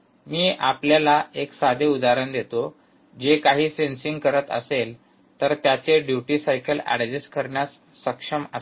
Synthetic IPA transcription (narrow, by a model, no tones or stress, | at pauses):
miːʔapljalaeksad̪ʱeud̪aɾənd̪et̪o | d͡ʑekaɦiːsensiŋɡkəɾət̪ə̰sel | t̪əɾt̪jat͡seɖjuʈiːsajkəlæ̰ɽd͡ʑeskəɾɳjasː | əkʂəmə